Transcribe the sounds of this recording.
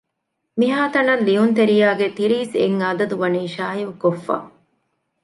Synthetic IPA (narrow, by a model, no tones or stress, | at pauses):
miɦaːt̪ɐnɐlliunt̪eɾijaːɡet̪iɾiːsḛŋɐd̪ɐd̪uʋɐniːʃaːiʋukofːa̰ː